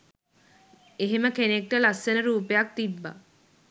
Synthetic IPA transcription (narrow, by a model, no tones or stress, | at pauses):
eɦeməkenek̚ʈəlasːenəɾuːpejak̚t̪ibːa̰